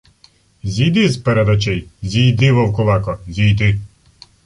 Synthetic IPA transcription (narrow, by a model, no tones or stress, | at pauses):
zʲijd̪ɪzpeɾed̪ɐt͡ʃɛjzʲijd̪ɪʋɔwkʊlˠɑkɔzʲijd̪ɪ